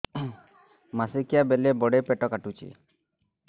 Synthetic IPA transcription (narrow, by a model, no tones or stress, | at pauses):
masikijabelebɔɽepeʈɔkaʈut͡ʃʰḭ